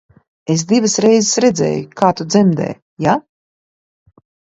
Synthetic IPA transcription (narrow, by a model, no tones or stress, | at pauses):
es̬d̪ivasɾɛjzɪsɾɛd̪zɛ̰ːjukaːt̪ud̪zɛmd̪ɛ̰ː | ja